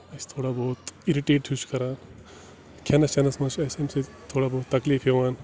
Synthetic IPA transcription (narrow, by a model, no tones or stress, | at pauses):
ɐst̪ʰoːɽabɔːt̪iɾiʈeːʈɕut͡ʃkɐɾaːn | kʰaːnɐst͡ʃɐnɐsmɐt͡ʃɐjsemset̪ʰoːɽabɔːt̪ːɐkliːfɦeʋaːn